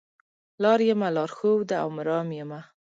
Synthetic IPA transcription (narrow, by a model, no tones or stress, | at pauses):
lɑɾjəmalɑɾxowd̪aa̰wmɪɾɑmjəma